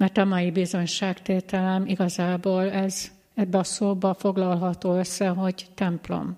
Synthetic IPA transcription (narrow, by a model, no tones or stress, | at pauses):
mɛrt̪ɒmɒjibizo̞ɲʃaːkt̪eːt̪ɛlɛmiɡɒzaːboːlɛz | ɛbːɛɒsoːbɒfo̞ɡlɒlɦɒt̪oːøsːɛɦo̞ɟt̪ɛmplo̰m